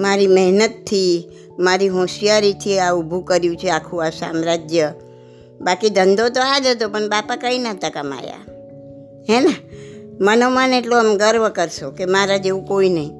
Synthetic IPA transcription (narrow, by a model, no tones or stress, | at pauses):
maɾiməɦnət̪ʰːi | maɾiɦɔ̃ʃijaɾit̪ʰieaubʱukəɾjũt͡ʃʰeakʰũasa̰mɾad͡ʒjə | bakid̪ʱənd̪ot̪oad͡ʒət̪opəɳbapakəinat̪akəma̰ja̰ | ɦɛnamənomãneʈloəmɡəɾʋəkəɾʃokemaɾad͡ʒeʋũkoinəĩ